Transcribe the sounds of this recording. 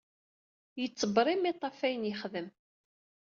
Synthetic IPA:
jət͡sːəbɾˤimːit̪ˤːɑfæjənjχðəm

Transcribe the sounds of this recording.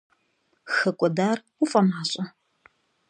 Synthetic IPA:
xɐkʷʼɔdaːr | ufʼɐmaːɕʼɐ

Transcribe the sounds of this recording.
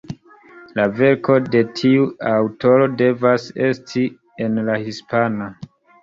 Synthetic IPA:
lave̞ɾko̞de̞tʰiuawto̞ɾo̞de̞vase̞stʰi | enlahispana

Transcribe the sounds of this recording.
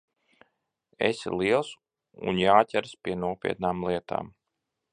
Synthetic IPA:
ḛsḭlˠiɛlˠs | ṵnjaːtʲɛɾspʲiɛnuɔpʲḭɛt̪̚naːmlˠiɛt̪ʰa̰ːm

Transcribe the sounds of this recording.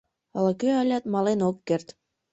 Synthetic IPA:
ələ̆køəlʲæt̪mɑlenokːert̪

